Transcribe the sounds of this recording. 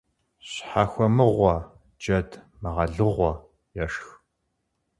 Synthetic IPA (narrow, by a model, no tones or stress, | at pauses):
ɕħaxʷɔmɨʁʷɔ | d͡ʒɐd | mɨʁɐɮɨʁʷɔ | jɛʂx